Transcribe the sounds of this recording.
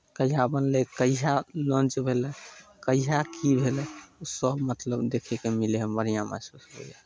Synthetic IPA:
kəiɦabənlekəiɦalɔ̃nt͡ʃbʱelɛkəiɦakibʱelɛusəbmət̪ləbd̪ekʰɛkemileɦbənijama̰susɦo̰ja

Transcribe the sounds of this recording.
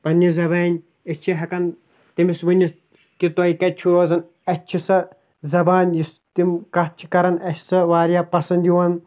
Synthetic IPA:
pɐnːizɐbaːnʲ | ɐt͡ʃʰiɦɐkɐn | t̪imisʋunʲːi | kit̪oːikɐt͡ʃʰuɾoːzɐn | ɐt͡ʃʰisɐ | zɐbaːnʲjist̪imkɐt͡ʃʰi̥kɐɾɐnɐt͡ʃʰʲsɐʋaːɾjaːpɐsɐnd̪juwɐn

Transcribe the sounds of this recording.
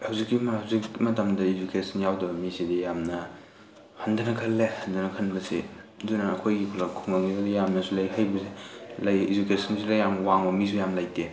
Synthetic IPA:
hɐwzikːihɐwzikmɐtɐmdɐid͡ʒukesɐnjawdɐbɐmisidijamnɐ | hɐndɐnɐkʰɐlːehɐndɐnɐkʰɐnbɐsḭdunɐːkʰojɡikʰulakʰuŋaŋibɐdijamnɐsulɐjɦajbɐsilajid͡ʒukesʰɐnsʰilɐjamwaŋbɐmis̬ʰujamlajte

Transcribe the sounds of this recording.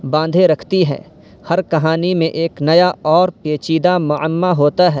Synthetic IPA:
bãːnd̪ʱeɾɐkʰt̪iɦɛ̰ː | hɐɾkɐɦaːnimẽʔeːknɐjaɔːɾpeːt͡ʃiːd̪amʊəmːaɦoːt̪aɦɛː

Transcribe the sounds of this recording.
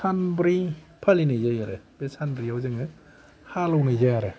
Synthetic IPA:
sʰanbɾipʰalinɯjzajaɾɯbesanbɾiawzɯŋɯ | halɔwnɯjzajaɾɯ

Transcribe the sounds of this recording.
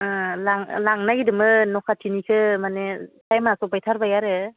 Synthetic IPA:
laŋlaŋnaɡidɯmɯnɔkʰatʰinikʰɯmanesajmasɔpajtʰaɾbajaɾɯ

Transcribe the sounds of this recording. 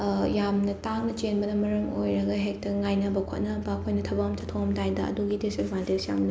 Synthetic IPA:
jamnɐtaŋnɐt͡ʃenbɐnɐmɐɾɐŋojɾɐɡɐɦek̚tɐŋajnɐbɐkʰot̚nɐbɐkʰojnɐtʰɐbaɐmtatʰoɐmtajdɐɐ̰duɡidesikmantek̚sja̰mnɐ

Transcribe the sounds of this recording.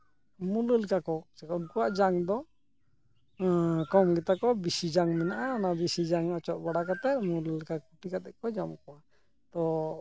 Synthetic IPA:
muləlikakɔt͡ʃɛkaunkɔwaʔd͡ʒaŋd̪ɔ | kɔmɡɛt̪akɔbisid͡ʒaŋmɛnaʔaːnabisid͡ʒaŋɔt͡ʃɔʔbaɽakat̪ɛmuləlikakuʈikat̪ɛʔkɔd͡ʒamkɔwa | t̪ɔ

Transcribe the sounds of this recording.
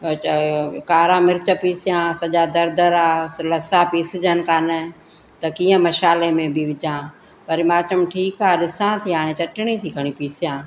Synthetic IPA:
kaːɾãːmɪɾt͡ʃəpiːsjãːsɐd͡ʒaːd̪əɾd̪əɾaːləsãːpiːsɪd͡ʒənkaːnɛ | t̪ɐkiːãməʃaːleːmẽːbʱiʋɪt͡ʃãː | pəɾɪmaːt͡ʃəmʈʰiːkaːɗɪsãːt̪ʰiãːnẽːt͡ʃəʈɳ̃ĩːt̪ʰiːkəɽ̃ĩːpiːsjãː

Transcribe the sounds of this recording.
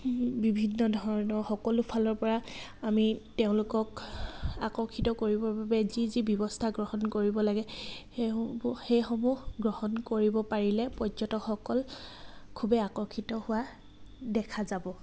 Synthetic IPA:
bibʱinːɔdʱɔɹɹɔnɔɹxɔkɔlʊpʰalɔɹpɔɹa | amiteʊ̃lʊkɔk | akɔkʰitɔkoɹibɔɹbabɛzizibjɔbɔstʰaɡɹɔhɔnkoɹibɔlaɡɛ | bxejxɔmuhɡɹɔhɔnkoɹibɔpaɹilɛpɔzɔtɔxɔkɔlkʰubɛakɔkʰitɔhʊwa | dɛkʰazabɔ

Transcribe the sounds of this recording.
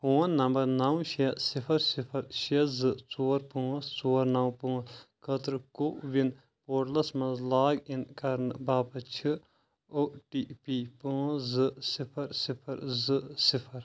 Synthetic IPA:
poːnːɐmbɐɾnɐwʃisipʰɐɾsipʰɐɾʃezɨt͡soːɾpũːst͡soːɾnɐwpũːskʰɐt̪ɾɨkoʔʋin | poːʈlɐsmɐnzlaːɡinkɐɾnbaːpɐt͡ʃʰɨ | oːʈiːpipuːzɨsipʰɐɾsipʰɐɾzɨsipʰɐɾ

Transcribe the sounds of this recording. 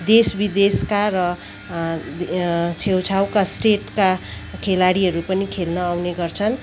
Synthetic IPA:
d̪esbid̪eskarʌ | t͡sʰewt͡sʰawkasʈeʈkakʰelaɽiɦʌɾupʌnikʰelnʌːwneɡʌrt͡sʰʌn

